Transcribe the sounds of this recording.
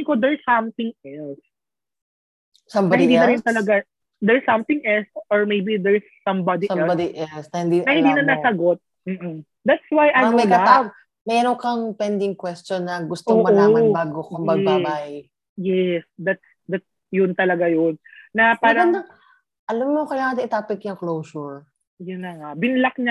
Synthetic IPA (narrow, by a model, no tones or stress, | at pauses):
ɪkod̪ɛɹsɐmθɪ̃ŋʔɛls | sɐmbaɐɪnd̪inɐɾɪnt̪ɐlɐɡa | d̪ɛɹsɐmt̪ɪŋʔɛlsʔɔɹmejbid̪ɛɹsːɐ̃mbad̪imɛlbad̪iʔɛlsnɐhɪnd̪inɐhɪnd̪iːnɐnasɐɡot̪̚ | m̩ːʔ̩ | d̪at̪swajʔɐjomɐlɐaa | mɛɐnokɐŋpɛnd̪ɪŋkwɛst͡ʃonːɐɡʊst̪ooŋːmɐʔoaːmɐbaːɡokɐmbɐɛbabaj | jɛsd̪at̪s | d̪at̪̚s | jʊnt̪ɐlɐɡajonːɐpaːɾɐŋɐ | ʔɐlamːokɐjaːŋɐt̪ɐɪt̪aːpɪk̪jʊŋklowsuɹ | jʊnːɐŋabɪnlɐk̚ɲa